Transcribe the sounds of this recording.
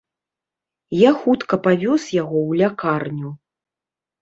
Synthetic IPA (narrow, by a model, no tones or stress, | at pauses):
jaxut̪kɐpavʲɔsjaɣɔwlʲakarnʲu